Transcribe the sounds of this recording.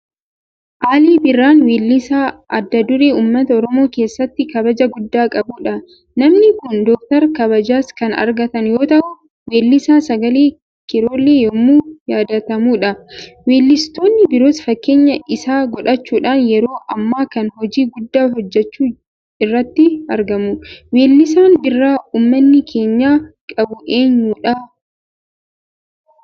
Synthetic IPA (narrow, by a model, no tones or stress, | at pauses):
ʔaːliːbɪrːaːnweːlːɪsaːʔɐd̪ːɐd̪ʊɾeːuːmːɐt̪ɐɔɾɔmo̞ːke̞ːsːɐt̪ːɪkɐbɐd͡ʒɐɡʊd̪ːaːkʼɐbuːᶑɐ | nɐmnɪkʊnd̪ɔk̚t̪ɐɾkɐβɐd͡ʒaːskɐnɐ̰ɾɡɐt̪ɐnjo̞ːt̪ɐʔʊ | weːlːɪsaːsɐɡɐleː | kɪɾo̞ːlːeːjɔmːuːjaːd̪ɐt̪ɐmuːᶑɐweːlːɪst̪o̞ːnːɪbɪɾo̞ːsfɐkːe̞ːɲːɐʔɪsaːɡɔᶑɐt͡ʃːuːᶑaːnjɛɾo̞ːʔɐmːaːkɐnhɔd͡ʒiːɡʊd̪ːaːɦɔd͡ʒːɛt͡ʃːuː | ɪrːɐt̪ːɪɐɾɡɐmʊweːlːɪsaːnbɪrːaːuːmːɐnːɪkʰe̞ːɲːaːkʼɐbʊʔe̞ːɲːuːᶑɐ